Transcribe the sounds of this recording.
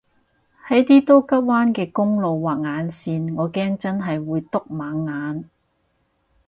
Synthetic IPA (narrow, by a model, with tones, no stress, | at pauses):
hɐ˨˥jt̪iː˥t̪o˥wkɐ˥p̚waː˥nkɛː˧kʊ˥ŋlo˨wːaː˨k̚ŋaː˨˧˥nsiː˧nŋɔː˨˧kɛː˥ŋt͡sɐ˥nɦɐ˨jwuː˨˧jt̪ʊ˥k̚maː˨˥ŋːaː˨˧n